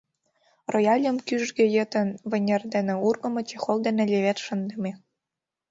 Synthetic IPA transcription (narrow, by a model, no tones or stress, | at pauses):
rojɑlʲə̆mkyʒɡĕjə̆t̪ə̆nβɘ̆nʲerd̪enĕurɣɤ̆mɤ̆t͡ɕexold̪enĕlʲeβet̪ʃə̆nd̪ə̆mʲe